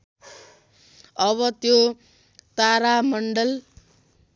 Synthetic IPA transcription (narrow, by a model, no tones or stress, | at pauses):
ʌβʌt̪jo | t̪aɾamʌɳɖʌl